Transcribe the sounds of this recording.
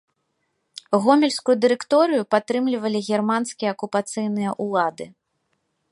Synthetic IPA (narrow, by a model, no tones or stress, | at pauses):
ɣɔmʲɛlʲskujud̪ɨɾɛkt̪ɔɾɨjupat̪ːɾɨmlʲivɐlʲiɣʲɛrmanskʲijɐɐkupat̪sɨjnɨjɐʔulˠad̪ɨ